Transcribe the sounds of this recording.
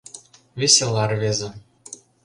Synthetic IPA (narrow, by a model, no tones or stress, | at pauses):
vʲesʲelˠɑrβezʲĕ